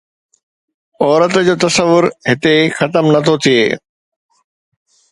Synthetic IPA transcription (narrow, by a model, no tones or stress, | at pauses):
ɔːɾət̪d͡ʑoːt̪ɐsəʋːʊɾɦɪt̪exɐt̪əmnɐt̪ʰot̪ʰieː